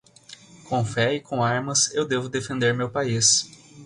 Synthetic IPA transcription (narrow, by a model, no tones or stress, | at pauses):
kõfɛikõaɾmɐsewd̪evʊd̪efẽnd̪eɾmewpais